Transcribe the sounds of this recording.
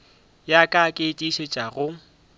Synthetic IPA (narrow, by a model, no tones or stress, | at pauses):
jakʼakʼɪtʼiʃet͡ʃʼaɣʊ